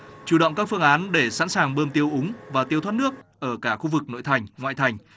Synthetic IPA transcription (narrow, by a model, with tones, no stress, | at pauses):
t͡ɕu˨˧˩ɗə̰˧˨wŋ͡mkaː˦˥k̚fɨ˧əŋʔaː˨˦nɗe˧˩sa̰˧˥nsaː˨˩ŋɓəː˧mt̪i˧əwʔʊ˨˦ŋ͡mvaː˨˩t̪i˧əwt̪ʰwaː˦˥t̚nɨ˦˥ək̚ʔəː˧˩kaː˧˩xu˧vɨ˨˩k̚no̰˧˨jt̪ʰa˨˩jŋ̟ŋwa̰ː˧˨jt̪ʰa˨˩jŋ̟